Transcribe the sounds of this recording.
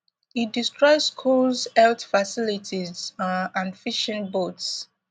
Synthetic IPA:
it̚distɹɔɪsskʰulzɛltfasilitʰizãnfiʃə̃nbots

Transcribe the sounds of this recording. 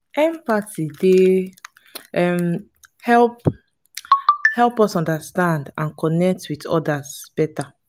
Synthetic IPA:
ɛ̃mpatide | ɛm | hɛlp | hɛlpɔsɔ̃ndastãndãnkɔnɛk̚twitɔ̰dasb̥ɛta

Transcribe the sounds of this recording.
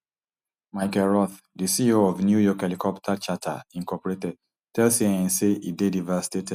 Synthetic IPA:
maɪkɛlɹɔθ | disioɔvnjujɔkelikʰɔptʰat͡ʃatʰa̰ĩŋkɔpɔɹetɛd̚ | tɛlsiɛ̃nseidedivasi̥tetɛd

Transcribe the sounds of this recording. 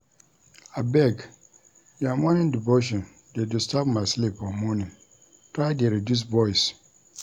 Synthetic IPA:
abɛɡ | jamɔ̃nɪ̃ndiboʃ̬ɔ̃n | dedʊstʰapmãslipɔmɔ̃nɪ̃n | tʰɾaɪdeɾidus̬bɔis

